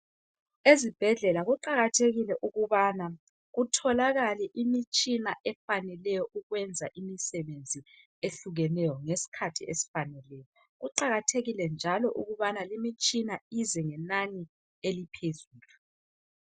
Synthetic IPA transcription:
ezib̥ʱɛɮɛlaɣuǃaɣatʰeɣilɛʔuɣuβana | ɣutʰɔlaɣaliʔimit͡ʃʼinaʔɛfanɛlɛjɔʔuɣwɛnd͡zʱaʔimisɛβend͡zʱi | eɬuɣɛnɛjɔŋesi̥kʰatʰiesi̥fanɛlɛːjɔ | ɣuǃaɣatʰeɣilɛnd͡ʒʱalɔʔṵɣuβanalimit͡ʃʼinaizɛŋɛnani | elipʰezuːlu

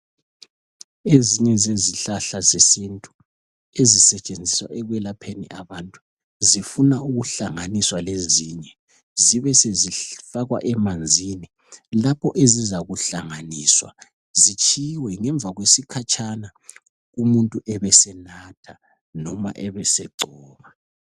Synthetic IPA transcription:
eziɲɛzeziɬaɬazisintʼu̥ | ezisɛt͡ʃʼend͡zʱiswaʔɛɣwɛlapʰenḭʔaβantʼu̥ | zifunauɣuɬaŋaniswaleziɲɛ | ziβɛsezifaɣwa̰ʔɛmand͡zʱini | lapʰɔʔezizaɣuɬaŋaniːswa̰ | zit͡ʃʼʰiwɛŋɛɱb̪vʱaɣwesikʰat͡ʃʰʼana | ɣumuntʼuʔɛβɛsɛnatʰa | nɔma̰ʔɛβɛsɛǀɔːβa

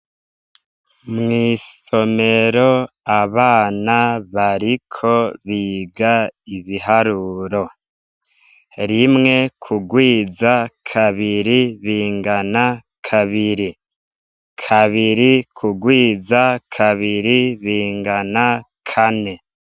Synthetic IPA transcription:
mŋiːso̞me̞ɾo̞ | aβaːnaβaɾikʰo̞βiːɡaiβiɦaɾuɾo̞ | ɾimŋe̞kʰuɡwiːzakʰaβiɾiβiːŋɡana | kʰaβiɾi | kʰaβiɾikʰuɡwiːzakʰaβiɾiβiːŋɡana | kʰane̞

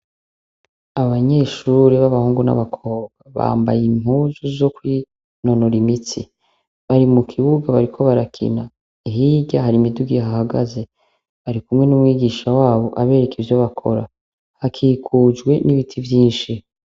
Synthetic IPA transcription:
aβaɲe̞ːʃuːɾiβaβahuːŋɡuna̰βakʰo̞ːβɡ̥aβa̰ːmbajimhuzuzo̞kwi | no̞noɾimit͡sḭ | βaɾimukʰiβuɡaβaɾikʰo̞βaɾakʰḭna | iɦiːɟaɦaɾimiduɡiɦahaɡaze̞ | βaɾikumŋe̞numŋiːɡiːʃawaːβo̞ʔaβe̞ːɾekivjo̞βakʰo̞̰ɾa | hakʰiːkʰuːd͡ʒɡwe̞niβitʰivjiːnʃi

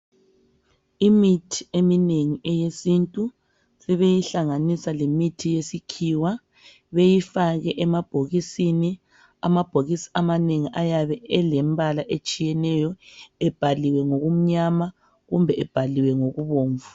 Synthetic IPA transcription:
imitʰi̥emineŋiɛjesintʼu | sɛβejiɬaŋanisalemitʰijesikʰiwa | βejifaɣɛʔɛmab̥ʱoɣisini | a̰mab̥ʱoɣisi̥amaneŋiʔajaβɛɛlɛmbʱalaʔet͡ʃʼijɛnɛjɔɛb̥ʱaliwɛŋoɣum̩ɲama | ɣumbʱɛʔɛb̥ʱaliwɛŋoɣuβoːɱvu

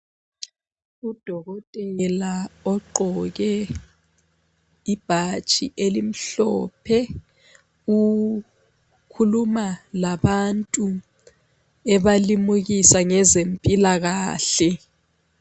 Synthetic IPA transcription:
ud̥ʱɔɣɔtʼɛlaɔǃʱɔɣɛ | ib̥ʱat͡ʃʼḭʔelim̩ɬɔ̰pʰɛ | u | kʰulumalaɓantʼu | ɛβalimuɣisaŋɛzempʼilaɣaːɬɛ

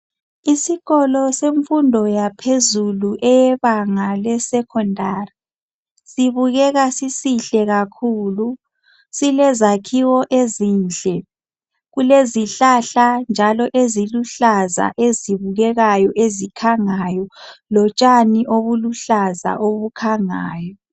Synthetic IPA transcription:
isiɣɔlɔseɱfundʱɔjapʰezuluʔɛjɛβaŋalɛsɛkʰɔndʱaːri | siβuɣɛɣasisiɬɛɣakʰuːlu | silɛzakʰiwɔʔezind͡ɮʱɛ | ɣuleziɬaɬand͡ʒʱalɔʔeziluɬaza̰ʔeziβuɣɛɣajɔʔezikʰaŋajɔlɔt͡ʃʼaniʔoβuluɬaza̰ʔoβukʰaŋaːjɔ

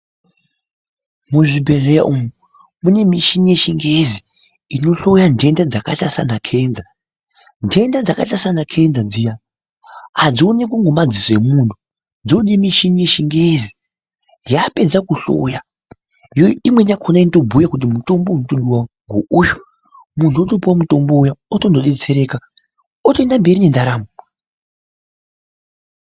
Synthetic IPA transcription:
muʐibʱe̞reja̰ʔumu | mune̞miʃinije̞ʃiŋɡezi | ino̞ɬo̞jande̞ndad͡zakatasanakʰe̞ːnza | ndʱe̞ndad͡zakatasanakʰe̞nd͡zad͡zija | ad͡zionekuŋɡomad͡zise̞muntʰu | d͡zoɗimiʃinije̞ʃiŋɡezi | jape̞d͡zakuɬo̰ja | jojoimwenakʰonainto̞bʱujakut̬imuto̞mbounotoɗuwaŋɡoujo | muntʰuotopuwamuto̞mboujaoto̞noɗe̞t͡se̞ɾe̞ːka | ote̞ndambiɾine̞ndaɾaːmo

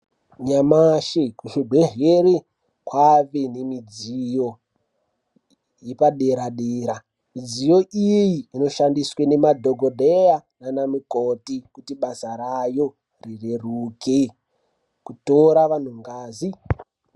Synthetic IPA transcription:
ɲamaʃekuʃeɡʱeɦeɾe | kwaʋenemid͡zijo | jepaɗeɾaɗeːɾa | mid͡zijo̞ʔijiːno̞ʃandiswene̞madʱoɡʱodʱejananamukotikutiɓasaɾajo | rireruːkʰe | kutoɾaʋan̤uŋɡaːzi

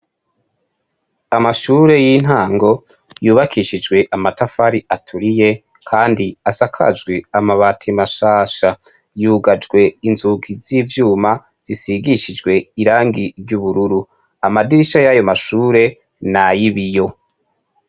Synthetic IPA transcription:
amaʃuːɾe̞jin̥haːŋɡo̞ | juːβakʰiʃid͡ʒɡwe̞ʔamatafaɾiʔatʰuɾije̞ | kʰaːndiasakʰa̰d͡ʒɡweamaβatʰimaʃaːʃa | juːɡad͡ʒɡwe̞inzuɡiziːvjuːma | z̥isiɡiʃid͡ʒɡwe̞iɾaːŋɡiɾɟuβuɾuɾu | amadiɾiʃajajo̞maʃuːɾe̞ | najiβijo̞

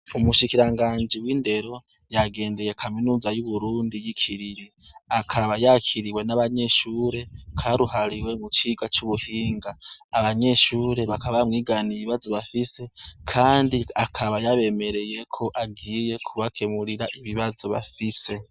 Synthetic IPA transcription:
umuʃikiɾaŋɡaːɲd͡ʒiwiːnde̞ɾo̞ | jaɡe̞ːnde̞je̞kʰaminuːzajuβuɾuːndijikʰiɾiɾi | akʰaβajakʰiɾiwe̞naβaɲe̞ʃuːɾe̞kʰaɾuhaɾiwe̞mut͡ʃiɡat͡ʃuβuhiːŋɡaːβaɲe̞ʃuːɾe̞βakaβamŋiːɡaniβiβazo̞βafise̞kʰaːndiakʰaβajaβe̞me̞ɾe̞je̞kʰo̞ʔaɡiːje̞kʰuβakʰe̞muɾiɾaʔiβiβazo̞βa̰fise̞

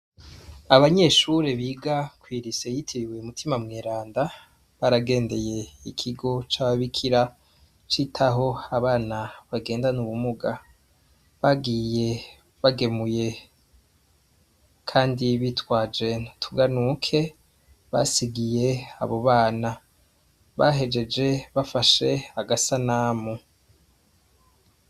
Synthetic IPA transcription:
aβaɲe̞ʃuɾe̞βiːɡakwiːɾise̞jitʰiβiweumutʰimamŋeːɾaːnda | βaɾaɡe̞ːnde̞je̞ikʰiɡo̞t͡ʃaːβaβikʰiɾa | t͡ʃitʰaɦo̞aβaːnaβaɡe̞ːndanuβumuɡa | βaɡiːje̞ | βaɡe̞muje̞ | kʰaːndiβitwaːd͡ʒe̞ntʰuɡanukʰe̞ | βa̰siɡije̞a̰βo̞βaːna | βaɦe̞d͡ʒe̞d͡ʒe̞βafaʃe̞aɡasanaːmu

